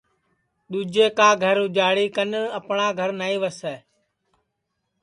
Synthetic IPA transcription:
ɗ̪uːd͡ʒeːkãːɡʱəɾɦʊd͡ʒaːɽiːkənəpɳaːɡʱəɾnaːiːʋəsɛː

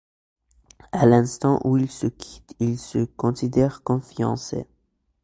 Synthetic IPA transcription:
alɛ̃st̪ɑ̃ʔuilsəkʲʰi̥t̪ilsəkɔ̃sid̪ɛʁkɔ̃fiɑ̰̃sḛ

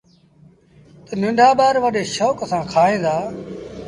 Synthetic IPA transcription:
t̪ənɪ̃ɳɖʱaːɓaːɾʋəɗeːʃɔːkəsãːkʰaːẽːd̪aː

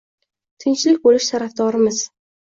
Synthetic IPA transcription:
t̪ʰɪnt͡ʃlɪkʲbolɪʃt̪ʰaɾafd̪ɒɾɪmɪz

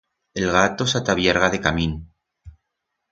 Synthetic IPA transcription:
e̞lɣat̪osat̪aβjeɾɣaðe̞kamĩn

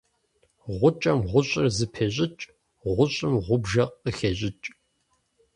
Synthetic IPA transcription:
ʁʷʊt͡ʃʼɐmʁʷʊɕʼɪrzɨpʰeɕʼɪt͡ʃʼ | ʁʷʊɕʼɪmʁʷʊbʒɐqəxeɕʼɪt͡ʃʼ

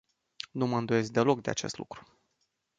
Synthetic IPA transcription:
numəɨnd̪oe̞sk̚d̪e̞lo̞kd̪e̞a̰t͡ʃe̞st̪lṵkɾu̥

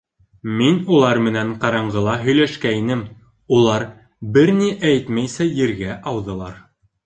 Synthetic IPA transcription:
minulˠɑɾmɘ̆næŋqɑɾɑɴɢɤ̆lˠɑɦɵ̆jlæʃkæinɘm | ulˠɑɾ | bɘɾniʔæjt̪mæjsæjɘ̆ɾɡæʔɑwðɤ̆lˠɑɾ

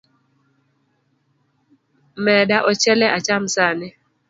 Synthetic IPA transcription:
mɛdaʔɔt͡ʃɛlɛʔat͡ʃam̩sanɪ

